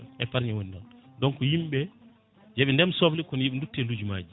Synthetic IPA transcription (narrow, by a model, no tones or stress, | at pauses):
ɛpaɾɲɛwonidɔndɔnkɔjimɓɛ | jeɓindɛmsoblikɔnjeɓindutːɛlud͡ʒumaːd͡ʒi